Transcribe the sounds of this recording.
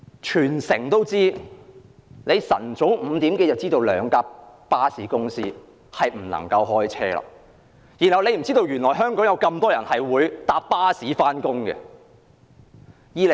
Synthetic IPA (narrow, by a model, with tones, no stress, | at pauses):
t͡ʃʰyː˨˩nsɪ˨˩ŋt̪o˥wt͡siː˥ | le˨˧jsɐ̰˨˩nt͡so˨˥wm̩˨˧t̪iː˨˥mke˧jɐ˨w̚t͡siː˥t̪o˧wlœː˨˧ŋkaː˧˥p̚paː˥siː˨˥kʊ˥ŋsiː˥ | hɐ˨jm̩˨˩lɐ̰˨˩ŋkɐ˧wɦɔː˥jt͡sʰɛ̰ː˥la̰ː˨˥ | jiː˨˩nhɐ˨wle˨˧jm̩˨˩t͡siː˥t̪o˧wjyː˨˩nlɔː˨˩jɦœː˥ŋkɔː˨˥jɐ˨˧wkɐ˧mt̪ɔː˥jɐ˨˩nhɐ˨jwuː˨˧jt̪aː˨˧p̚pːaː˥siː˨˥faː˥nkʊ˥ŋɡɛ̰˧ | jiː˨˧l